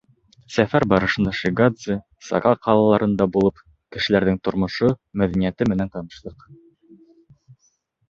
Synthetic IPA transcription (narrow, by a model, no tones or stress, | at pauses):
sæfæɾbɑɾɤ̆ʃɤ̆nd̪ɑʃiɡad̪zɨ | sɑ̰kɑqʰɑlˠɑlˠɑɾɤ̆nd̪ɑbulˠɤp | kɘ̆ʃɘ̆læɾðɘŋt̪ŏɾmŏʃomæðænijæt̪ɘmɘ̆nænt̪ɑnɤ̆ʃlˠɤq